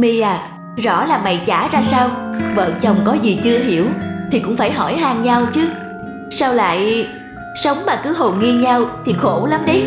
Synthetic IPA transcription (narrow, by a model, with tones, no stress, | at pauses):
mi˧aː˨˩ | zɔ̰˧˥laː˨˩ma̰˧˨jt͡ɕaː˧˩zaː˧saː˧wvə̰ː˧˨nt͡ɕə˨˩wŋ͡mkɔ˨˦zi˨˩t͡ɕɨ˧əɦi˧˩əwt̪ʰi˨˩kʊ̰˧˥ŋ͡mfaː˧˩jɦɔ˧˩jɦaː˧˩ŋɲa˧wt͡ɕɨ˦ | saː˧wla̰ː˧˨j | sə˨˦wŋ͡mmaː˨˩kɨ˨˦ɦo˨˩nŋi˧ɲa˧wt̪ʰi˨˩xo˧˩lə˨˦mɗə˨˦j